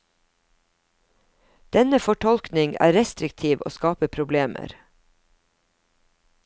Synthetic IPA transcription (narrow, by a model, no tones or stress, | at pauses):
d̪̥ɛnəfɔʈʰɔlknɪŋæ̰ːɾɛst̪ɾɪkt̪ʰiːʋʔo̰ːskɑːpəpʰɾʊbleːmʔə̰ɾ